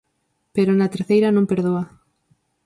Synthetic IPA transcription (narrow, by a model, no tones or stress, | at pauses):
peɾonɐt̪eɾθejɾɐnõŋpeɾðoɐ